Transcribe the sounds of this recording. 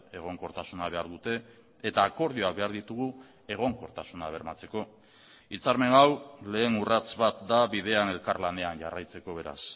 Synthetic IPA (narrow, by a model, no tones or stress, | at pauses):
e̞ɣ̞o̞ŋko̞ɾt̪asunaβe̞aɾðut̪e̞ː | t̪aːko̞ɾð̞ioak̚be̞aɾðit̪uɣ̞u | e̞ɣ̞o̞ŋko̞ɾt̪asunaβ̞e̞ɾmat͡se̞ko̞ | it͡saɾme̞ŋawle̞ːnurat͡sβat̪d̪aβið̞e̞ane̞lkaɾlane̞anʝarajt͡se̞ko̞β̞e̞ɾa̰s